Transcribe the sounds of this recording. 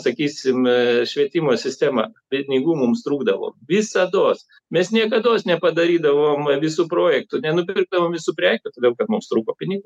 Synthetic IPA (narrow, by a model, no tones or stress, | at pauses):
sɐkʲiːsʲɪmʃʲʋʲiɛt̪ʲɪmoːsʲɪsʲt̪ʲæːmɐ̰pʲɪnʲɪɡuːmʊmst̪ɾuːɡd̪ɐʋo̰ːʋʲɪsɐd̪oːs | mʲɛsnʲiɛkɐd̪oːsnʲɛpɐd̪ɐɾʲiːd̪ɐʋoːmʋʲɪsuːproːjɛk̚t̪ʊnʲɛnʊpʲɪrɡ̚d̪ɐʋoːmʋʲɪsuːpʲɾʲæːkʲʊt̪ɐːd̪ʲeɛlˠkɐt̪mʊmst̪ɾuːkoːpʲɪnʲɪɡuː